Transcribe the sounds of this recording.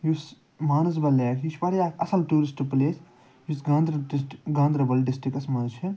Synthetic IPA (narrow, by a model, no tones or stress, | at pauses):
jus | maːnɐs̬bɐleːɾjit͡ʃʰbɐɽjaːɐsɐlʈuːɾisʈupleːs | jusɡãːnd̪ɾɐɡãːnd̪ɾɐbɐlɖɪsʈɾikɐsmɐdut͡ʃʰi